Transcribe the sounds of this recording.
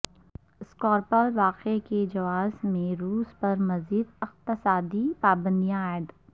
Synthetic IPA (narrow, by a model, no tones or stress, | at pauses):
skɔːɾpəlʋaːqeked͡ʒɐʋaːzmẽɾuːspɐɾmɐziːd̪ɪqt̪ɪsaːd̪ipaːbə̃nd̪ijãaːɪd̪